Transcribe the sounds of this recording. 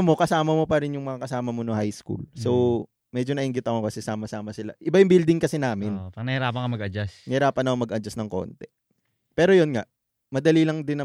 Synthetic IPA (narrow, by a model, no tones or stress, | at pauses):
mo̞kɐsaːmɐmo̞pɐɾɪnjʊŋmɐŋakɐsaːmɐmonoŋhajskṵlso | mɛd͡ʒonɐʔɪŋɡɪt̪ɐkokɐsɛsaːmɐsaːmɐsɪla̰ʔɪbajʊŋbild̪ɪŋkɐsɪnaːmɪnpɐɡ̚nɐhɪɾaːpɐŋkɐmɐɡɐd͡ʒasnɐhɪɾaːpɐnːɐkoŋmɐɡʔɐd͡ʒɐsnɐŋko̰nt̪ɛ | pɛːɾo̞jonŋa | mɐd̪ɐlilɐŋd̪ɪnɐ